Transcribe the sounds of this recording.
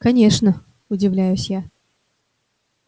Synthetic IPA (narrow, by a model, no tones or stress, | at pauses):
kɐnʲeʂnə | ʊdʲɪvlʲæjʊsʲja